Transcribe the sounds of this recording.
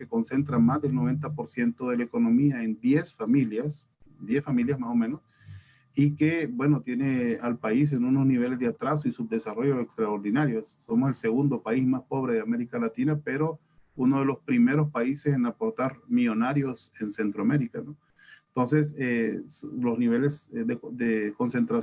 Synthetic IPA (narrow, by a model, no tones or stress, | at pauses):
keko̞nse̞nt̪ɾamazd̪e̞lnoβe̞nt̪apoɾsje̞nt̪oðe̞laeko̞no̞miaend̪je̞sfamiljas | d̪jesfamiljazmaso̞mẽ̞nos | ikebwe̞no̞t̪je̞nealpais̬enuno̞zniβ̞e̞le̞zd̪eat̪ɾasoisub̚d̪e̞saro̞ʝo̞ekst̪ɾaoɾðinaɾjosːomose̞lseɣund̪opaismaspo̞βɾeðeame̞ɾikalat̪inapeɾo̞ | unoð̞e̞lo̞spɾime̞ɾo̞spaises̬enapo̞ɾt̪aɾmio̞naɾjo̞se̞nse̞nt̪ɾoame̞ɾikano | ent̪o̞ns̬e̞seslozniβ̞e̞le̞sd̪ed̪eko̞nse̞nt̪ɾa